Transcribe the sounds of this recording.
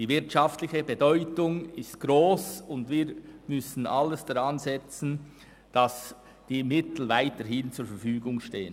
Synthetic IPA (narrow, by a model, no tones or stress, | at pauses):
d̥iːvɪɾtʃɑftlɪçəbedɔʏtʊŋɪst̚ɡ̥ɾoːsʊndviːɾmʏsn̩ʔɑlːəsd̥aʁɑnzɛt͡sn̩ | d̥ɑs | d̥iːmɪtl̩vaɪtəɾɦɪnt͡suːɾfɛɾfyːɡʊŋʃteːən